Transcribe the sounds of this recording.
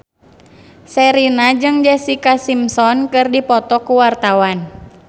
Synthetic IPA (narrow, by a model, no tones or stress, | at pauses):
sɛɾinad͡ʒɨŋd͡ʒɛsikasimsɔnkɨrdipɔt̪ɔkuwart̪awan